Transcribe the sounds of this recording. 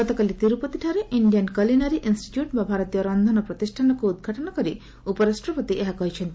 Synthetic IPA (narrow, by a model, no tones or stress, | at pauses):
ɡɔt̪ɔkalit̪iɾupɔt̪iʈʰaɾeʔiɳɖijankɔlinaɾiʔinsʈi̥ʈjuʈbabʱaɾɔt̪ijɔɾɔnd̪ʱɔnɔpɾɔt̪isʈʰanɔkuud̪̚ɡʱaʈɔnɔkɔɾi | upɔɾasʈɾɔpɔt̪iʔeɦakɔɦit͡ʃʰɔnt̪i